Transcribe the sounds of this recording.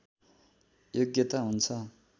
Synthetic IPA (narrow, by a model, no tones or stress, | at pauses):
joɡjet̪aɦunt͡sʰʌ